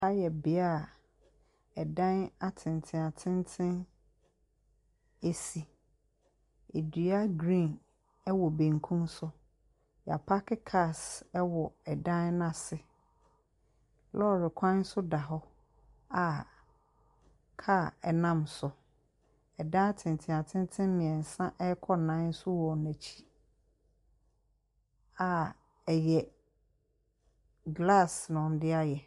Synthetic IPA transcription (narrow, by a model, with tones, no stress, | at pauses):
a˦jɛ˨bɪ˨˦a˦˨ | ɛ˨dã˦na˨tʰɪ̃˨n˨tʰɪ̃˨a˨tʰɪ̃˦ntʰɪ̃˦n | e˦si˨ | e˨di˨a˦ɡɾĩ˦˨n | ɛ˦wɔ˨bẽ˨ŋkʰũ˦msʊ˦ | jɛ˨a˨pʰa˦kɪ˦kʰa˦˨sɛ˦wɔ˨ɛ˨dã˦nnã˨sɪ˨ | lɔ˦˨ɾɪ˨kʷʰã˦n̩˦sʊ˦da˨ɦɔ˦ | a˨ | kʰa˦˨ɛ˨nã˦msʊ˨ | ɛ˨dã˦tʰɪ̃˨n˨tʰɪ̃˨a˨tʰɪ̃˦n˦tʰɪ̃˦m˦mɪ̃˨ɛ̃˨n̩˨sã˦ʔɛ˦kʰɔ˦nã˨˦n̩˦sʊ˦wɔ˨næ̃˨t͡ɕʰi̥˦ | a˨ | ɛ˨jɛ˨ | ɡla˦˨snʊ̃˨m˨dɪ˦a˦jɛ˨